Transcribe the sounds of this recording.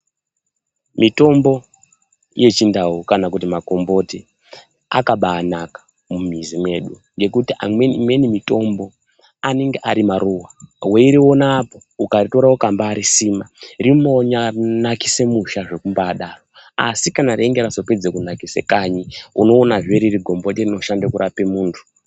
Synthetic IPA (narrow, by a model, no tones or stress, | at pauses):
mito̞mbo̞ | je̞t͡ʃindaukanakutimako̞mbo̞ti | a̰kaɓaːnakḁ | mumizime̞ːɗu | ŋɡe̞kutiʔa̰mwemwe̞nimito̞mbo̞ | aneŋɡeʔaɾimaɾuwawe̞iɾiwo̞naːpoukarito̞ɾawokambaːɾisiːmarimo̞ɲanakise̞muʃaʐe̞kumbaːɗaroa̰sikanaɾeŋɡeɾasoped͡zekunakise̞̰kaɲiuno̞ːnaʐeɾiriɡʱo̞mbo̞terino̞ʃandakuɾʔape̞muːntʰu̥